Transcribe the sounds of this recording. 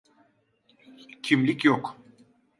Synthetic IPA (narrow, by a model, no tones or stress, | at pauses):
cʰimlʲicjok